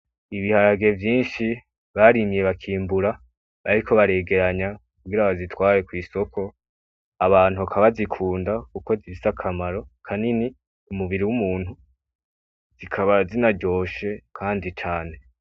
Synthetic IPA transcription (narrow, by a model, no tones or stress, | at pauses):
iβihaɾaɡe̞vjiːnʃi | βaɾimije̞βakʰiːmbuɾa | βaɾiko̞βaɾe̞ɡe̞ɾaɲakuɡiɾaβazitwaːje̞kwiːso̞kʰo̞ | aβaːn̥uakʰaβazikʰuːndakuko̞zifisakʰamaɾo̞kʰanini | umuβiɾiwumuːn̥hu | z̥ikʰaβazinaɟo̞ːʃe̞kʰaːndit͡ʃaːne̞